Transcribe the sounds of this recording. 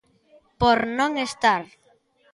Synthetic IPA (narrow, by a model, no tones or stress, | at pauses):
poɾnõŋest̪aɾ